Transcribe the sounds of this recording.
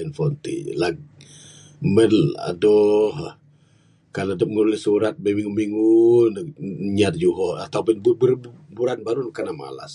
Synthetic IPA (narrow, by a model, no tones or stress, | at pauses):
ɛnfɔnt̪ḭlaɡ̚ | mɛdla̰dɔɦ | kaladɔp̚ŋəɾulɪhsuɾat̪̚bemiŋumiŋunɲat̪̚d͡ʒuɦɔat̪awbʊnbubuɾbbuɾanbaɾunkanama̰la̰s